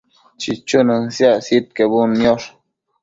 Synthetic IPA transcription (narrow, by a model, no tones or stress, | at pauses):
t͡ʃit͡ʃunənsjasit̪̚kebunːjoʂ